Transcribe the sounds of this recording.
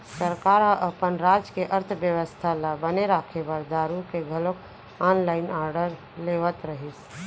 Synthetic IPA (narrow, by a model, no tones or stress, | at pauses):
səɾkaːɾɦə̃ʔəpənɾaːd͡ʒkeʔəɾt̪ʰʋjəʋəst̪ʰalabəneɾaːkʰebəɾd̪aːɾukeɡʱəlok | aːnlaːɪnaːɾɖəɾ | leːʋət̪ɾəɦis